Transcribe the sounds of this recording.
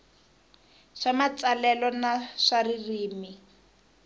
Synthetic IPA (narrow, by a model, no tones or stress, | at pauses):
ʂamat͡salɛlɔnaʂaririːmi